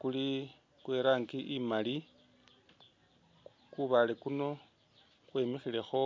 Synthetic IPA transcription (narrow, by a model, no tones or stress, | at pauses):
kuli | kweɾaːŋɡiʔimali | kuβalekuno̞ | kwe̞mixile̞xo̞